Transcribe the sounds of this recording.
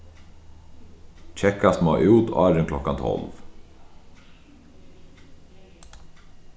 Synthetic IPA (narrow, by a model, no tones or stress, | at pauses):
t͡ʃʰɛkasmoːʔuːt̪ɑɾəŋklɔkant̪ʰɔ̰lʋ